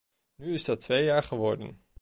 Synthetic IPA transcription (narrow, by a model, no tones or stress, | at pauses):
nyɪsdɑtʋejaːɹχəʋɔɹdə̰n